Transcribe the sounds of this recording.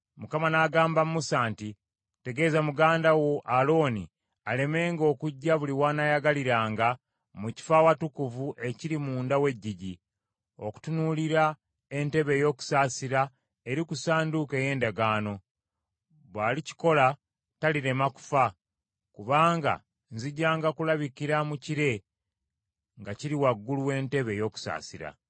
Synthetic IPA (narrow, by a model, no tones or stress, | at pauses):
mukamanaːɡaːmbammusaːnti | te̞ɡe̞zamuɡaːndawo̞ʔalo̞ːnḭ | ale̞me̞ːŋɡo̞ːkuɟːaβuliwaːnajaɡaliɾaːŋɡa | muci̥faːwatukuvuʔe̞ciɾimuːndawe̞ɟːiɟi | o̞ku̥tunuliɾa | e̞nte̞βe̞jo̞ːku̥saːsiɾa | eɾikusaːnduke̞ːje̞ːndaɡaːno̞ | βwaːlici̥ko̞la | taliɾe̞maku̥fa | kuβaːŋɡa̰ | nziɟːaːŋɡakulaβikiɾamuciɾe̞ | ŋɡaciɾiwaɡːuluwe̞ːnte̞βe̞jo̞ːku̥sa̰ːsiɾa̰